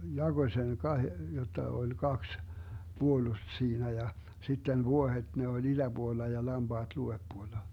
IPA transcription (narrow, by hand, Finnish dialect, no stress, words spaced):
jɑɡ̊oĭ seŋ kɑhe jotːɑ olʲ kɑks b̥uolust siːnæ jɑ sitːen ʋuohet ne olʲ id̥æb̥uolːɑ jɑ lɑmb̥ɑːd̥ luʋepːuolːɑ